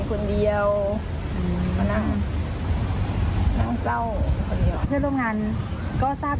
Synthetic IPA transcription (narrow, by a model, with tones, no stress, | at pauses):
kʰo˧ndi˨˧əw | ʔɯ˧˩ma˧naː˧˥˨ŋ | na˧˩˨ŋsa˧˥˩wkʰo˧˨ndi˨˧˨tʰɯ˧˥˨lo˧˥˨mŋaː˧˥n | kɔː˧˩saː˧˩p̚